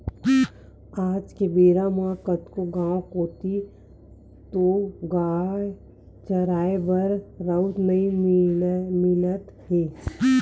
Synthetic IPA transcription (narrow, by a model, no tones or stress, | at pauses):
aːd͡ʒkebeːɾamakət̪koɡãːwkoːt̪i | t̪oɡaː | t͡ʃəɾaːebəɾɾəʊt̪nɐi | mɪlət̪heː